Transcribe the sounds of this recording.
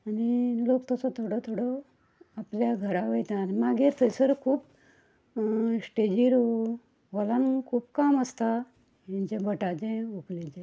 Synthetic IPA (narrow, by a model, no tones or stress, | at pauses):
anilokt̪əsɔt̪ʰoɽɔt̪ʰoɽɔ | apljaɡʱəɾaʋejt̪animaɡiɾt̪ʰəjsəɾkʰuːp | sʈed͡ʑiɾ | ʋɔlankʰuːpkaməst̪a | jãɲt͡ɕebʱəʈat͡ɕẽoklet͡ɕɛ̃